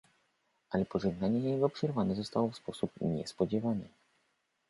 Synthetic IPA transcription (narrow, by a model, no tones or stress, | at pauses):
ʔalɛpɔʐɛɡnaɲɛjɛɡɔpʂɛɾvanɛzɔst̪awɔfspɔsupɲɛ̰spɔd͡ʑɛvanɛ